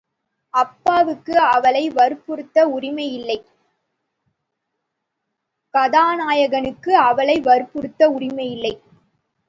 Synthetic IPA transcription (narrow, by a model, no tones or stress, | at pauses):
ɐpːaːʋɯkːɯɐʋɐɭɐɪʋɐɾɯpːɯɾɯt̪ːɐʊrɪmɐɪjɪlːɐɪ | kɐðaːnaːjɐɣɐnɯkːɯɐʋɐlɐɪʋɐɾɯpːɯɾɯt̪ːɐʊrɪmɐɪjɪlːɐɪ